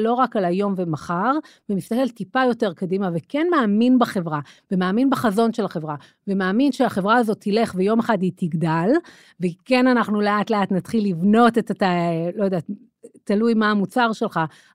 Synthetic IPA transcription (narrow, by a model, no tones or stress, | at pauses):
lo̞ʁakalajo̞mvemaχaʁvemist̪ake̞ltipajo̞te̞ʁkadimavekenmeːminbaχe̞vʁavemeːminbaχazo̞nʃelaχe̞vʁa | vemeːminʃeaχe̞vʁaazo̞tʰːile̞χvejo̞meχaditiɡdal | vekenanaχnuleatleatnatχilːivno̞tetatalo̞jod̪at | talujmaːmut͡saʁʃe̞lχa